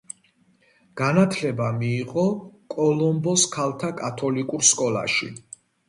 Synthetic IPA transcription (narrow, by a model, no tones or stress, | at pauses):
ɡ̥anat̪ʰlɛbamiːqʼɔkʼɔlˠɔmbɔskʰalˠt̪ʰakʼat̪ʰɔlikʼuɾskʼɔla̰ʃḭ